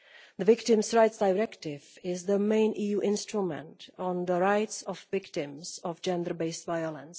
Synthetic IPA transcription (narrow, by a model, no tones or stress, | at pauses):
ðəvɪktɪ̃msɹaɪtsd̥aɪɹɛktɪvɪzðəmẽɪ̃nʔijuːʔɪ̃nstɹumə̰̃ntɔ̃nðəɹaɪtsɔvvɪktɪ̃mzɔvd͡ʒɛ̃ndə˞beɪsvaɪəlˠə̃ns